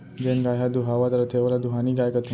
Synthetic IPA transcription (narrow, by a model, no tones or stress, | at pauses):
d͡ʑenɡaɦad̪uɦaʋat̪əɾət̪ʰeʋlad̪uɦaniɡajkət̪ʰi